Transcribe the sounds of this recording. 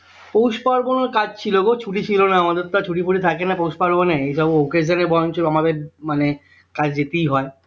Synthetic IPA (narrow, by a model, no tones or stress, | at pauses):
powʃpaɾboneɾkad͡ʑt͡ɕʰilokot͡ɕʰuʈit͡ɕʰilonaamad̪eɾt̪at͡ɕʰuʈipʰuʈit̪ʰakenapowʃpaɾboneejʃɔbowkesenebɔjont͡ɕʰoamabeɾmane | kad͡ʑd͡ʑet̪ejɦɔe